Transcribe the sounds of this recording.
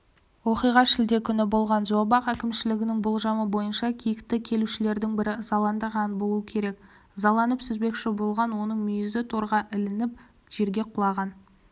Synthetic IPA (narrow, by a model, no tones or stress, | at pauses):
wo̞qijʁɑʃɪld̪e̞kʲʰʏnɪbo̞lˠʁɑnzoɑbɑqækʲɪmʃɪlɪɡʲɪnɪŋbʊlˠʒɑməbo̞jənʃɑkʲʰijɪkt̪ɪkʲʰe̞luʃɪle̞ɾd̪ɪŋbɪɾɪzɑlˠɑnd̪əɾɑnbo̞lˠuəkʲʰe̞ɾe̞k | zɑlˠɑnəpsɵzbe̞kʃɪbo̞lˠʁɑnwo̞nəɴmʏjɪzɪt̪ʰoɾʁɑʔɪlɪnɪp̚ | ʒ̥e̞ɾɡʲe̞qʰʊlˠɑʁɑn